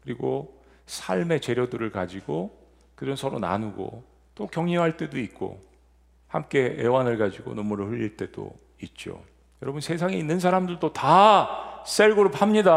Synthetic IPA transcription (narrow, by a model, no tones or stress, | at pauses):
kɯɾiɡo | sʰaɭme̞t͡ɕe̞ɾjʌdɯɾɯɭkad͡ʑiɡo | kɯd͡ʑʌnsʰʌɾona̰nuɡo̰ | t͈okjʌŋeɦaɭt͈e̞doik̚k͈o̰ | hamk͈e̞ḛwanɯɭkad͡ʑiɡo̰nʌmuɾɯɸɯʎːiɭt͈e̞do̰ | it̚t͡ɕ͈o̰ | jʌɾʌbunsʰe̞s̬ʰaŋeinːɯns̬ʰaɾamdɯɭt͈ota | s͈eɭɡɯɾophamɲida